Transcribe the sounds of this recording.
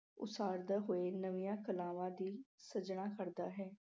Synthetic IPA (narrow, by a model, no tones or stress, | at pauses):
ʊ̰saːɾd̪aːɦoːeːnəʋijãːkəlaːʋãːd̪iːsəd͡ʒɳ̃aːkʰəɾd̪aːɦɛː